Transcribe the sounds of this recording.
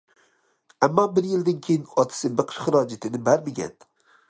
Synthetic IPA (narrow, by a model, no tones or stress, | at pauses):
æmːɒːbɪɾjɪld̪ɪnkʲʰejɪnɒt̪ʰɪ̥sɪbɪqʰʃχɨɾɑːd͡ʒɪt̪ʰɪnɪbæɾmɪɡʲæ̰n